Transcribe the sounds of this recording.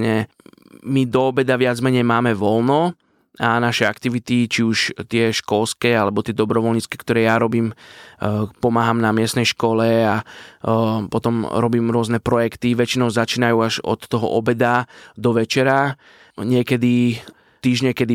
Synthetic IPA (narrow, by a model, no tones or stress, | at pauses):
ɲɛ | mid̪ɔɔbɛd̪aʋɪad͡zmɛɲɛjmaːmɛʋɔlnɔ | anaʃɛakt̪iʋit̪it͡ʃiuʃt̪ɪɛʃkɔlskɛalɛbɔt̪ɪɛd̪ɔbɾɔʋɔlɲit͡skɛ̥kt̪ɔɾɛːjaɾɔbiːm | pɔmaːɦamnamɪɛstnɛjʃkɔlɛa | pɔt̪ɔmɾɔbiːmɾʊɔznɛpɾɔjɛkt̪iʋɛt͡ʃinɔʊzat͡ʃiːnajuːaʒɔ̰t̪ːɔɦɔ̰ʔɔbɛd̪ad̪ɔʋɛt͡ʃɛɾa | ɲɪɛkɛd̪i | t̪iːʒɲɛkɛd̪i